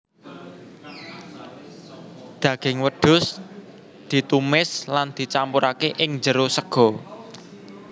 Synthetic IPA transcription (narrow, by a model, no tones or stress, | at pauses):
d̪̥ä̤ɡ̥ɪŋwəɖ̪̥ʊ̤s | d̪̥i̤t̪umɪsland̪̥i̤t͡ʃampuɾakeʔɪŋd͡ʒəɾosəɡ̥ɔ̤